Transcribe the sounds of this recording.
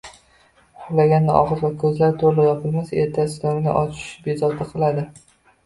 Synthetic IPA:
hʊlaɡʲanːɪʔɒ̰ʁɨɾvakʰɵzlaɾt̪ʰoɾlɪjɒpʰɨlˠmaseɾt̪ʰasɪlɒmɪnɪ̰ʔɒt͡ʃʰɪ̥ʃbezɒt̪ʰaqʰɨlˠad̪ɪ

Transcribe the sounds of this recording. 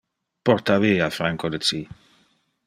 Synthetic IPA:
pɔrt̪aviːafɾaŋkod̪ət͡si

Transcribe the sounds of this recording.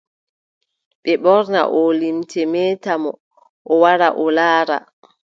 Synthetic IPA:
ɓɛɓɔɾna̰ʔɔlimtʰɛmɛːtamɔ | ʔɔwaɾa̰ʔɔlaːɾa̰

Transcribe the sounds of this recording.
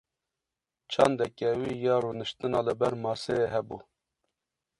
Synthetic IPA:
t͡ʃʰɑnd̪ɛkɛwiːjɑːɾuːnɨʃt̪ɨnɑːləbɛɾmɑːseeɦɛbṵ

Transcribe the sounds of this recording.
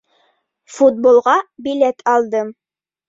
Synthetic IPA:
fut̪̚bolˠʁɑbilet̪ʰɑlˠd̪ɤm

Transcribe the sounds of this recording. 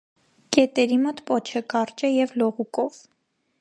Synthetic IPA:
kɛt̪ɛɾimɔt̪pɔt͡ʃʰəkɑɾt͡ʃɛjɛvlɔʁukɔv

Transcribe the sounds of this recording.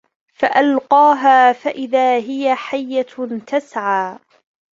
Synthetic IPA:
faʔalqɑːɦaːfaʔɪðaːɦɪjaħajːat̪asʕaː

